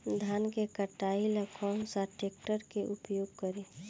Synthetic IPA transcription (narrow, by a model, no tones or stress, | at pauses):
d̪ʱaːnkekəʈailəkʰɔ̃saʈek̚ʈəɾkeʔupjoːɡ̚kəɾe